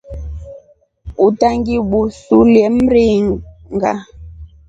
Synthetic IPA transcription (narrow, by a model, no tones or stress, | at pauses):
utaŋɡiɓusuljɛm̩ɾi | ŋɡa̰